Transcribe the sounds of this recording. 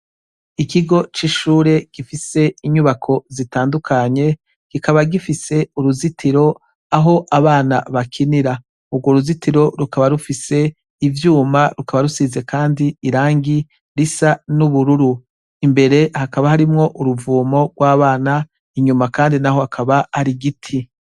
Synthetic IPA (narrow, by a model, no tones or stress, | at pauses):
ikiɡo̞t͡ʃiʃuːɾe̞ɡ̥ifise̞iɲuβakʰo̞zitaːndukʰaɲe̞ | ɡ̥ikaβaɡifise̞uɾuzitʰiɾo̞ | aɦo̞ʔaβaːna̰βakʰiniɾa | uɾɡwoɾuzitiɾo̞ɾukaβaɾufise̞ | ivjuːmaɾukaβaɾusize̞kaːndiiɾaːŋɡi | ɾisanuβuɾuɾu | imbe̞ɾe̞hakaβahaɾimŋo̞ʔuɾuvuːmo̞ɡ̥waːβaːna | iɲumakaːndinaho̞akʰaβaːɾiɡitʰi